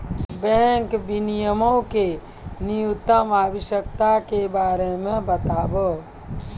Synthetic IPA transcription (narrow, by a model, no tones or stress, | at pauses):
bɛ̃ŋkbinijəmõke | niʊt̪ːəmaːʋəʃjək̚t̪akebaːɾemẽbət̪aːbə